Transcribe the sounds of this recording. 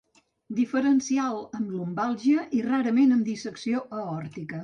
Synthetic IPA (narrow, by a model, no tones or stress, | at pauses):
d̪ifəɾənsialˠəmlumbalˠʒiəʔiraɾəmenəmd̪isəksioʔəɔɾt̪ikə